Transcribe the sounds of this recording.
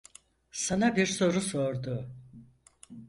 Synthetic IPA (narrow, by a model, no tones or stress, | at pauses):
sanabiɾso̞ɾuso̞ɾd̪ʊ